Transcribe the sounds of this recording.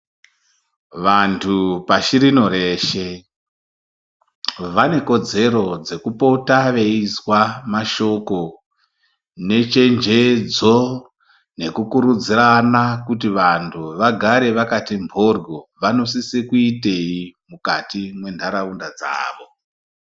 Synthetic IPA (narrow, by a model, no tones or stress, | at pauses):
ʋantʰupaʃiɾino̞ɾe̞ːʃe | ʋane̞ko̞d͡ze̞ɾo̞d͡ze̞kupo̞taʋe̞iswamaʃo̞ko̞ | ne̞t͡ʃe̞nd͡ʒe̞d͡zo | ne̞kukuɾud͡ziranakut̬iʋantʰuʋaɡʱaɾe̞ʋakatimbʱo̞rɡoʋano̞sisekuite̞imukatimwe̞ndʱaɾaundad͡za̰ːʋo̞